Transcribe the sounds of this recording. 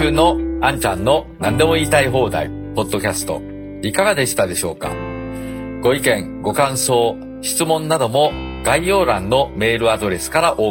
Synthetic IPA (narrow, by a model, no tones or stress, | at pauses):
ɯːno̞ãɲ̟t͡ɕãnːo̞nãnd̪e̞mo̞iːt̪aiɦo̞ːd̪a̰ḭ | po̞d̪ːo̞kʲasɨ̥t̪o̞̰ | ikaɡad̪e̞ɕi̥t̪ad̪e̞ɕo̞ːka̰ | ɡ̥o̞ikẽ̞ŋ | ɡo̞kãɰ̃so̞ː | ɕi̥t͡sɨmõ̞nːad̪o̞mo̞ | ɡ̥aijo̞ːɾãnːo̞me̞ːɾɯ̟ad̪o̞ɾe̞sɨ̥kaɾaʔo̞ː